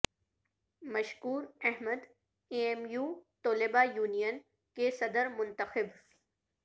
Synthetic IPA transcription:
mɐʃkuːɾɛɦməd̪ | eːemjuːt̪oːlɪbajuːnijən | kesɐd̪əɾmʊ̃nt̪əxɪb

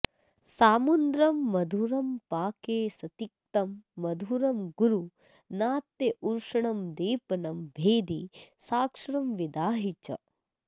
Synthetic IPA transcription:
saːmund̪ɾɐmːɐd̪ʱuɾɐmpaːkeːsɐt̪ik̚t̪ɐmːɐd̪ʱuɾɐmɡuɾu | naːt̪ːeʔuɾʂɐɳɐmd̪iːpɐnɐmbʱeːd̪isaːkʂɐɾɐmʋid̪aːɦit͡ʃɐ̰

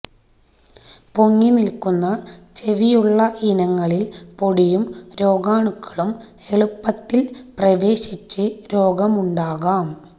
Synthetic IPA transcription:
po̞ŋːinilkunːɐt͡ɕe̞ʋijuɭːɐʔinɐŋːɐɭilpoɽijumɾo̞ːɡaːɳukːɐ̥ɭum | e̞ɭupːɐt̪ːilprɐʋe̞ːɕit͡ɕːɨɾo̞ːɡɐmuɳɖaːɣaːm

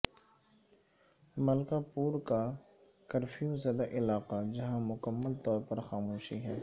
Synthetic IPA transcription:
mɐlkapuːɾkakɐɾfʰijũzɐd̪aʔɪlaːqad͡ʒɐɦãmʊkəmːəlt̪ɔːɾpɐɾxaːmoːʃiɦɛː

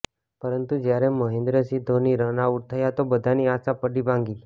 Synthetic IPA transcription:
pəɾənt̪ud͡ʒjaɾẽməɦẽnd̪ɾəsid̪ʱːoniɾənauʈ̚t̪ʰəjat̪obəd̪ʱaniasapəɽibʱãŋɡil

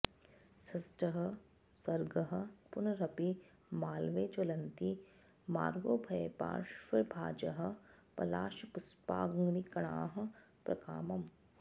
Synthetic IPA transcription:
sɐsʈɐɦɐ̆ | sɐɾɡɐɦɐ̆pʊnɐɾɐpi | maːlʋeːt͡ʃolɐnt̪i | ma̰ːɾɡoːbʱɐepa̰ːʃʋɐbʱaːd͡ʒɐɦɐ̆pɐ̰la̰ːʃɐpʊspa̰ːɡŋɡnikɐɽ̃aːɦɐ̆ | pɾɐ̰kaːmɐm

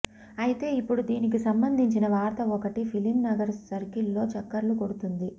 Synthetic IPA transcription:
ɐjit̪e̞ːipːuɽud̪iːnik̬isɐmbɐnd̪ʱiɲt͡ʃinɐʋaːɾt̪ɐɔkɐʈipʰilimnɐɡɐɾsɐɾkilːo̞ːt͡ʃɐkːɐɾluko̞ɽut̪und̪i

